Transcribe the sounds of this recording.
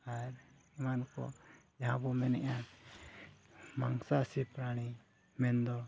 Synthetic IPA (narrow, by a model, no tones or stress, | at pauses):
aɾ | imankɔ̰jaɦabɔmɛnɛ̰ʔa | maŋsasipɾaɽ̃i | mɛnd̪ɔ